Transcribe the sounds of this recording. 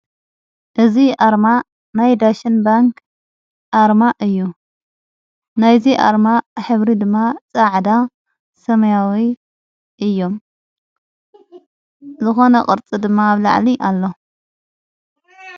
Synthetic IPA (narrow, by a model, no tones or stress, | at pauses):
ʔɨziʔaɾma | najd̪aʃɨnbaŋk | ʔaɾmaʔɨjːu | najziʔa̰ɾmaħɨβɾid̪ɨmːat͡sʼaʕd̪a | sɐmɐjawi | ʔɨjːo̞m | zɨxo̞nɐkʼɨ̰ɾt͡sʼɨd̪ɨmːaːβla̰ʕliʔalːo̞